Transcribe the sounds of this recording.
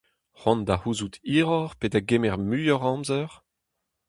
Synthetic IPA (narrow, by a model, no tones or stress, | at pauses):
χɔ̃nd̪ahuzut̪iːʁɔʁpedaɡemɛʁmyjɔʁɑ̃mzœʁ